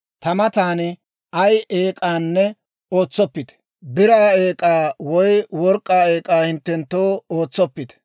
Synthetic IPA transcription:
t̪ɐmɐt̪aːn | ɐjeːkʼaːnːɛ | oːt͡sːɔpːɪt̪ɛ̥ | bɪɾaːeːkʼaːwɔjwɔɾkʼːaːeːkʼaːhɪnt̪ːɛnt̪ːoːoːt͡sːɔpːɪt̪ɛ̥

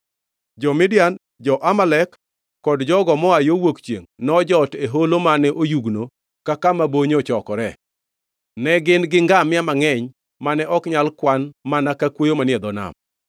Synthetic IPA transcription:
d͡ʒɔmɪdɪjan | d͡ʒɔʔamalɛkː | ɔdd͡ʒɔɡɔmɔajowokt͡ʃjḛŋnɔd͡ʒɔteɦolomanɛʔojuɡno | kakamaboɲɔt͡ʃɔkɔɾɛ | nɛɡɪnɡɪŋɡamɪamaŋɛɲ | manɛʔɔkɲalkwanmanakakwojomanɪɛd̪ɔna̰m

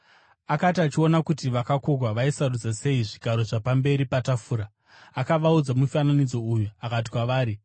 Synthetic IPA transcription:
akatiat͡ʃio̞nakutiʋakakoɡʱwaʋaisarud͡zase̞iʐiɡʱaɾo̞ʐapambe̞ɾipatafuːɾaː | kaʋaud͡zamufananid͡zo̞ujuakat̬ikwaʋaːɾi

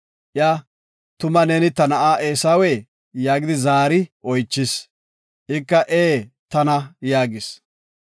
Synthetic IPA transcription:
ʔja | t̪ʊmɐnɛnɪt̪ɐnɐʔaːʔeːsaːweː | jaːɡɪd̪ɪzaːɾɪʔɔjt͡ʃːɪs | ʔɪkːɐʔeːt̪ɐnɐjaːɡɪs

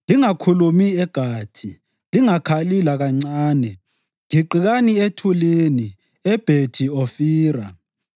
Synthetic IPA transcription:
liŋakʰulumiɛɡ̥ʱaːtʰi | liŋakʰalilaɣaŋ͡ǀaːnɛ | ŋiǃiɣanietʰuleni | ɛb̥ʱed̥ʱiofiːra̰

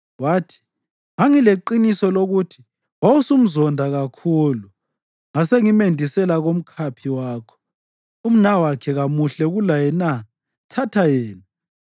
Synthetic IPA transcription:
waːtʰi̥ | ŋaŋileǃinisɔloɣutʰi̥ | wawusum̩zɔndʱaɣakʰuːlu | ŋaseŋimendʱisɛlaɣom̩kʰapʰiwaːkʰɔ̥ | um̩nawakʰɛɣamuɬɛɣulajɛna | tʰatʰajɛːna

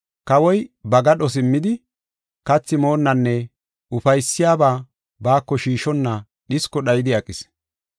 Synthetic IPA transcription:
kɐwɔjbɐɡɐɗɔs̬ɪmːɪd̪ɪ | kɐt͡sːɪmo̞ːnːɐnːɛ | ʊfɐjsːɪjaːbaː | baːkːɔʃiːʃɔnːɐ | ɗɪskːɔɗɐjɪd̪ɪɐkʼːɪs

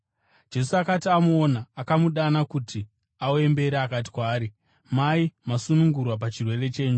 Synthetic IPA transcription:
d͡ʒe̞suakatiamoonaːkamuɗanakutʰi | aoe̞mbe̞ɾeakat̬i̥kwaːɾi | maimasunuŋɡurwap̬at͡ʃirwe̞re̞t͡ʃe̞ːɲu

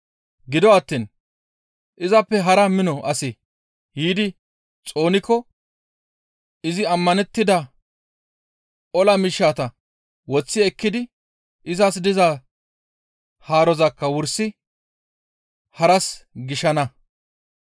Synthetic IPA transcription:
ɡɪd̪ɔɐt̪ːiːn | ʔɪzɐpːɛɦɐɾɐmɪnɔʔɐse | hiːd̪ɪ | t͡sʼo̞ːnɪkːɔ | ɪzɪɐmːɐnɛt̪ːɪd̪ɐ | ɔlɐmɪʃːaːt̪ɐ | wɔt͡sːɪɛkːɪd̪ɪ | ʔɪzɐs̬d̪ɪza | haːɾɔzɐkːɐwʊɾsɪ | hɐɾɐsɡɪʃɐnɐ

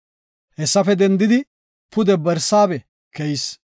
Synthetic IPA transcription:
hɛsːɐfɛd̪ɛnd̪ɪd̪ɪ | pʊd̪ɛbɛɾsaːbɛ | kɛjɪs

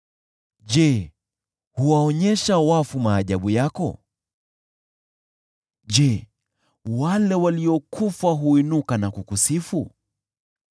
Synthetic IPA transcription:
ʄɛ | huwaɔɲɛʃawafumaːʄaɓujakɔ̰ | ʄɛ | walɛwaliɔkʰufaɦuinukanakukusifu

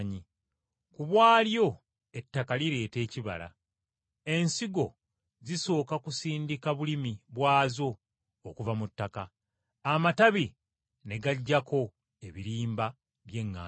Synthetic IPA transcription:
ɲi | kuβwaːljo̞ | e̞tːakaliɾe̞ːte̞ːciβa̰la̰ | e̞nsiɡo̞ | ziso̞ːkakusiːndikaβulimiβwaːzo̞ː | kuvamutːakaː | mataβi | ne̞ɡaɟːakʰo̞ | e̞βiɾiːmba | βje̞ŋːaː

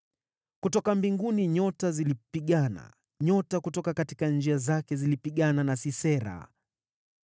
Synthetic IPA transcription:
kutɔkambiŋɡuniɲɔtazilipiɠana̰ | ɲɔtakutɔkakati̥kand͡ʒiazakɛzilipiɠananasisɛɾa̰

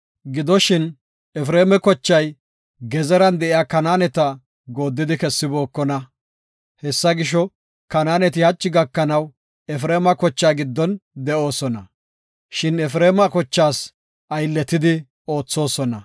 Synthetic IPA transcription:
ɡɪd̪ɔʃɪn | ɛfɾeːmɛkɔt͡ʃːɐj | ɡɛzɛɾɐnd̪ɛʔɪjaːkɐnaːnɛt̪ɐ | ɡo̞ːd̪ːɪd̪ɪkɛsːɪbo̞ːkːɔnɐ | hɛsːɐɡɪʃ̬ɔ | kɐnaːnɛt̪̬ɪhɐt͡ʃːɪɡɐkːɐnɐw | ɛfɾeːmɐkɔt͡ʃːaːɡɪd̪ːɔnd̪ɛʔo̞ːsɔnɐ | ʃɪnɛfɾeːmɐkɔt͡ʃːaːs | ʔɐjlːɛt̪ːɪd̪ɪ | o̞ːt͡sːo̞ːsɔnɐ

